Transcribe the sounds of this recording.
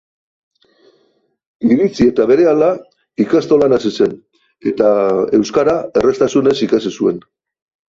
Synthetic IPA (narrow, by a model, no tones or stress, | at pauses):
iɾit͡sie̞t̪aβe̞ɾe̞ala | ikast̪o̞lanasise̞n | e̞t̪ae̞wskaɾae̞re̞st̪asune̞sikasisue̞n